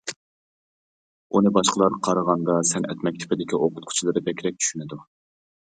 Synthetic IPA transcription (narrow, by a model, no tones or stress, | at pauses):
unɨbɑʃqəlˠɑɾqʰɑɾəʁɑnd̪ɑsɛnɛ̰t̪mɛk̚ʲt̪ʰɪ̥pɪd̪ɪkʲiʔoqʊt̪̚qʰʊ̥t͡ʃʰilˠɨɾɨd̪ɛkʲʰɪɾɛk̚ʲt͡ʃʰy̥ʃynɪd̪u